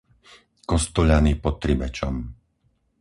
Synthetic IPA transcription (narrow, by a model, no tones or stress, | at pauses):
kɔst̪ɔʎaniːpɔt̪ːɾibɛt͡ʃɔ̰m